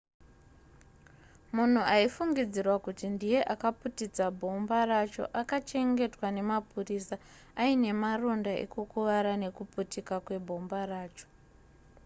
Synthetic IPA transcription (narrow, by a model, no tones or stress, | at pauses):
mun̤uaifuŋɡid͡zirwakutindije̞ʔakaputid͡zabʱo̞mbarat͡ʃo̞̰ʔakat͡ʃe̞ŋɡe̞twane̞mapurisaː | ine̞maro̞ndaḛkukuʋaɾane̞kuputikakwe̞bʱo̞mbaraːt͡ʃo̥